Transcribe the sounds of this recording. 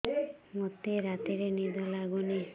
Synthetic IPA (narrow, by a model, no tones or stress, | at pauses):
mɔt̪eɾat̪iɾenid̪ʱɔlaɡuni